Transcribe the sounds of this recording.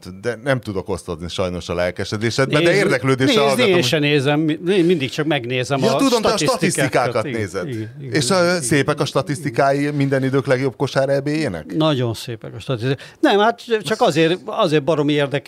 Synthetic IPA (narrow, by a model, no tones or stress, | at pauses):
t̪d̪ɛnɛmt̪ud̪o̞ko̞st̪od̪niʃɒjno̞ʃɒlɛlkɛʃɛd̪eːʃɛd̪bɛd̪ɛeːrd̪ɛkløːd̪eːʃeɛɒlːenʃɛneːzɛmːieːnmind̪ikt͡ʃɒkmɛɡneːzɛmjɒt̪ud̪omt̪ɛɒʃitɒt̪isk̪ːikaːkɒt̪ɡneːzɛdiɡieːʃseːpɛkɒʃt̪ɒt̪ist̪ikaːjimind̪ɛnid̪øːklɛɡjo̞b̚ko̞ʃaːɾɛbeːjeːnɛ̰knɒɟo̞nseːpɛkɒʃt̪ɒt̪ist̪ika | nɛmhaːt̪t͡ʃɒkɒzeːrɒzeːrbɒɾo̞mieːrd̪ɛk